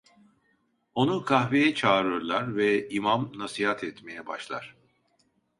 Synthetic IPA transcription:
o̞nukʰahvejɛt͡ʃʰaːɾɯɾlˠaɾvɛimamnasihat̪ʰɛt̪me̞jɛba̰ʃlˠa̰ɾ̥

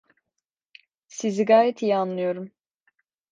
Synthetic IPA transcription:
siziɡaːjɛt̪ʰijanlˠɯjo̞ɾum

